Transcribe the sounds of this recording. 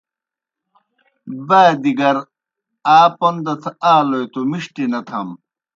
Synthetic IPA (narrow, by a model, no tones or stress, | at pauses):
baːd̪iɡɐɾ | aːpond̪ɐt̪ʰaːlojt̪omiʂʈinɐt̪ʰɐm